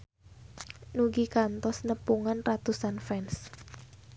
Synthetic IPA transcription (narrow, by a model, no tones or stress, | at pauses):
nuɡikant̪ɔsnəpuŋanrat̪usanfɛns